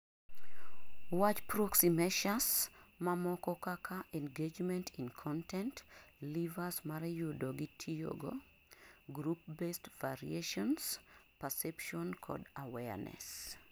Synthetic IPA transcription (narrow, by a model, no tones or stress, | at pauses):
wat͡ʃpɾɔksimeʃasmamɔkɔkakʰaʔɛ̃nɡed͡ʒmɛ̃ntʰĩnkʰɔ̃ntʰɛ̃ntlivasmaɾɛjodoɡitʰijo̰ɡo̰ | ɡɾup̚bestvaɹḭeʃɔnspɛsɛpʃɔ̃nkʰɔ̰dawɛnɛ̰s